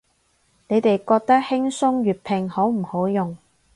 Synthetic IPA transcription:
ne˨˧jt̪e˨jkɔː˧k̚t̪ɐ˥k̚hɪ˥ŋsʊ˥ŋɥyː˨˩t̚pʰɪ˨ŋho˨˥wm̩˨˩ho˨˥wjʊ˨ŋ

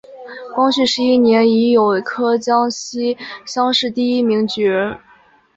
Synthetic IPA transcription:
kwɑ˥ŋɕy˥˩ʂɻ̩˥˧i˥˩njɛ˧˥ni˧˥jo˨˩ʊkʰɤ˥t͡ɕjɑ˥ŋɕi˥ɕjɑ˥ŋʂɻ̩˥˧t̪i˥˩i˥mi˧˥ŋt͡ɕy˨˥ɻə˧˥n

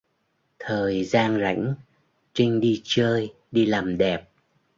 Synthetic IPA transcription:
t̪ʰəː˨˩jzaː˧nza̰˧˥jŋ̟ | t͡ɕï˧ŋ̟ɗi˧t͡ɕəː˧j | ɗi˧laː˨˩mɗɛ˨˩p̚

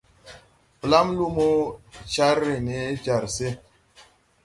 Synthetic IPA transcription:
pla˦mlu˦mo˦t͡ʃa˦ɾːe˨ne˨˦d͡ʒa˨ɾse˦

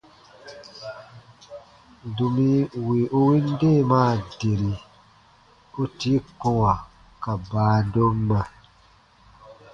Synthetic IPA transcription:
du˨mĩ˦wi˨ʔo˦wĩ˦n˦de˦˨maː˦˨de˨ɾi˨ | o˦ti˦kũ˦˨wa˨ | ka˨baː˨˦do˦mːa˨

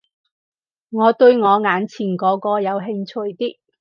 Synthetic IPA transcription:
ŋɔː˨˧t̪ɵ˧ɥŋɔː˨˧ŋaː˨˥nt͡sʰiː˨˩nkɔː˨˧˥kɔː˧jɐ˨˧wɦɪ˧ŋt͡sʰɵ˧˥jt̪iː˥k̚

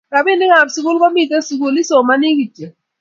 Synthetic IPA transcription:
ka˨bɪ˦nɪ˦ŋa˨psi˨kʊ˦lkɔ˦mi˦to˦si˨ku˦lɪ˦so˨ma˦nɪ˦ki˨t͡ʃe˨

